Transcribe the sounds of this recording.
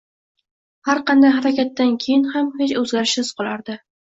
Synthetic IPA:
haɾqɑnd̪ajɦaɾakʲat̪ːankʲʰejɪnhamhet͡ʃɵzɡʲaɾɪʃsɪz̥qʰɒlˠaɾd̪ɪ

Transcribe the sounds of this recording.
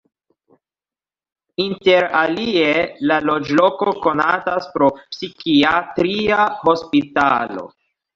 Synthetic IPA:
inte̞ɾalie̞lalo̞d͡ʒlo̞ko̞ko̞nataspɾo̞psikiatɾiaho̞spitalo̞̰

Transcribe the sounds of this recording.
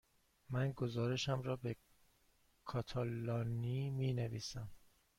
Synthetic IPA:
mænɡozɒːɾe̞ʃæmɾɒːbe̞ | kʰɒːt̪ʰɒlɒːniːmiːneviːsæm

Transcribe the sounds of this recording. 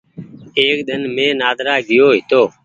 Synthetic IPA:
eːk̚ɗ̪ənmẽːnaːd̪ɾaːɡɪjoːɦɪt̪oː

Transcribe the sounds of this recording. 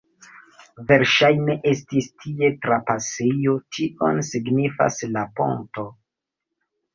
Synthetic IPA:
ve̞ɾʃajne̞ʔe̞stistʰie̞tɾapasejo̞tʰiʔonsiɡnifa̰slapo̰nto̞

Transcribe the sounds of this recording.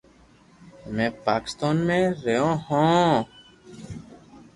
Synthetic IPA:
mẽːpaːkɪ̥st̪aːnmẽːɾejõːhõː

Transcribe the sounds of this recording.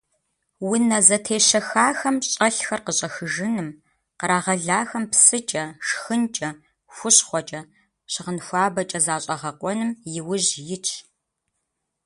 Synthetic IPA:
wʊnɐzɐtʰeːʃɐxaːxɐmɕʼɐɬxɐrqəɕʼɐxɨʒɨnɨm | qəɾaːʁɐɮaːxɐmpsɨt͡ʃʼɐʂxɨnt͡ʃʼɐ | xʷʊɕχʷɔt͡ʃʼɐ | ɕɪʁənxʷaːbɐt͡ʃʼɐzaːɕʼɐʁɐqʷʼɔnɨmjɪwʊʑjɪt͡ʃʰʼ

